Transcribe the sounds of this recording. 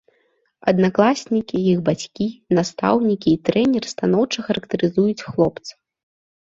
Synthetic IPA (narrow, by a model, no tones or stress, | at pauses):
ɐd̪naklˠasʲnʲikʲijixbat͡sʲkʲinast̪a̰wnʲikʲiːt̪ɾɛnʲɛrst̪anɔwt͡ʂɐxɐɾɐkt̪ɐɾɨzujut͡sʲxlˠɔpt̪sɨ̥